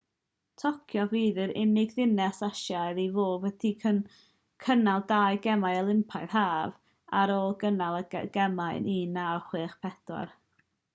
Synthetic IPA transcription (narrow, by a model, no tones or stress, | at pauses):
tʰɔkʰjɔviːðɨɾɪnɪɡðɪnɛsaʃjajɾivoːvwɛtʰiə | kʰənalˠdaːjɡɛmajəlˠɪmpʰaɨrɦaːv | aɾɔɡənalˠəɡ̥ɛmajnʔinawχwɨːχpʰɛdɔ̰r